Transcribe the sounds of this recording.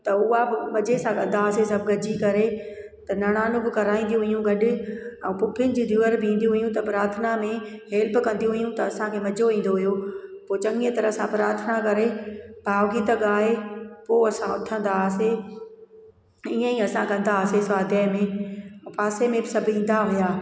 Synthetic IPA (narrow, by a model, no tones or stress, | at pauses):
t̪ɐʊɦabɪmɐd͡ʑesãkɐ̃n̆d̪aːsesɐbʱɡɐd͡ʑikɐɾe | t̪ɐnɐɽ̃aːnʊ̃bɪkɐɾaːĩːnd̪ijũɦʊjũɡɐɗɪɛ̃ːpʊkʰɪnɪ̆d͡ʑiːd̪ʱjuːəɾbɪĩːn̆d̪ijũɦʊjũt̪ɐpɾaːt̪ʰənamẽɦeːlpɪkɐ̃nd̪iũɦʊjũt̪ɐːsãkʰeːmɐd͡ʑʱoĩːn̆d̪oɦʊjopoːt͡ɕɐ̃ŋɡiə̃t̪ɐɾəsãpɾaːɾt̪ʰənakɐɾebʱaːʋɡit̪ɐɠaːɦepoːɐsãʊt̪ʰə̃n̆d̪aːse | iə̃iɐsãkɐ̃n̆d̪aːsesʋaːd̪jəmẽpaːsemẽbɪsɐbʱʊĩːn̆d̪aɦʊjaː